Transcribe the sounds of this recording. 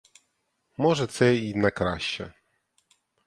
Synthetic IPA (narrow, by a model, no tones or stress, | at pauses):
mɔʐɛt̪sɛinakɾaɕːɛ̰